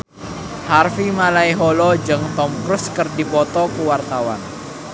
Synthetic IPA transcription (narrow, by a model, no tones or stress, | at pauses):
harfimalaiɦɔlɔd͡ʒɨŋt̪ɔmkɾʊskɨrdipɔt̪ɔkuwart̪awa̰n